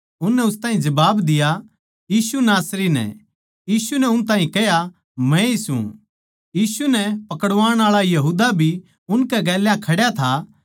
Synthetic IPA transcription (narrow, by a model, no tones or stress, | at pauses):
ʊnːɛʊst̪ãːɦĩd͡ʒɐbaːbd̪ɪja | jiːsunaːsɾinɛ̰ | jiːsunɛʊnt̪̬aːɦĩkɛɦja | mɛ̃isṵ̃ | jiːsunɛpɐkəɽʋaːɽ̃aːɭajɐɦuːd̪abʱi | ʊnkɛɡɛːljãkʰɐɽjat̪ʰa